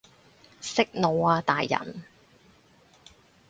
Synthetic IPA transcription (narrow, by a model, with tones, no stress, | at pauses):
sɪ˥k̚no˨˧waː˧t̪aː˨jːɐ̰˨˩n